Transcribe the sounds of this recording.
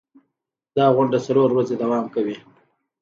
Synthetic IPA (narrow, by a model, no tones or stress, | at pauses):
d̪ɑɣʊɳɖat͡saloɾwɾazed̪awɑmkawi